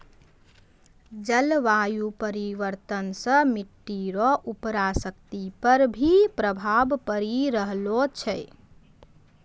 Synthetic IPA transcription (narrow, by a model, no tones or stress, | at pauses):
d͡ʒəlʋajupəɾiʋəɾt̪ənsə̃miʈːiɾɔʔupɾasəkt̪ipəɾbʱipɾəbʱabpəɾiɾəɦlot͡ʃʰɛ